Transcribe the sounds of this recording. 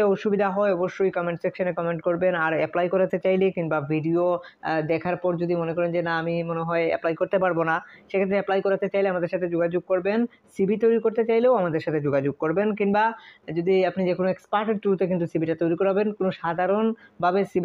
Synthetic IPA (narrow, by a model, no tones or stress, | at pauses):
eoʃubid̪ʱaɦɔeɔboʃːojkɔmeɳʈsekʃonekɔmeɳʈkoɾbenaɾɛplajkoɾat̪et͡ɕajlekinbabʱiɖiod̪ɛkʰaɾpɔɾd͡ʑod̪imonekɔɾend͡ʑenaamimoneɦɔeɛ̰plajkoɾt̪epaɾbonaʃekʰet̪ːɾeɛplajkoɾat̪et͡ɕajleamad̪eɾʃat̪ʰed͡ʑoɡad͡ʑoɡ̚koɾben | sibit̪ojɾikoɾt̪et͡ɕajleoamad̪eɾʃat̪ʰed͡ʑoɡad͡ʑoɡ̚koɾbenkinbad͡ʑod̪iapnid͡ʑekʰonoekspaʈeɾt̪ɾuɾt̪ek̬int̪usibiʈat̪ojɾikoɾabenkonoʃad̪ʱaɾonbʱabesibi